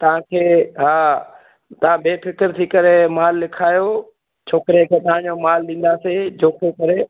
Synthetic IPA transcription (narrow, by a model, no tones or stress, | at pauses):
t̪ɐʋ̤ãkʰeːɦaː | t̪ɐʋ̤ãbeːpɪkɪɾt̪ʰikɐɾemaːlːɪkʰaːjo | t͡ɕʰoːkɪɾekʰeːt̪ɐʋ̤ãɲd͡ʑomaːlɗĩːn̆d̪aːsed͡ʑoːkʰekɐɾe